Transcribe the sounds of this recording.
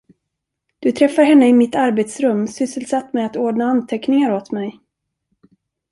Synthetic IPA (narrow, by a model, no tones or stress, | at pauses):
d̪̥ɵt̪ʰɾɛfːaɾɦɛnːəɪmɪt̪ːaɾbeːt̪sɾɵmːsʏsəlsat̪ːmɛat̪oːɖɳaant̪ʰɛknɪŋaɾot̪mɛj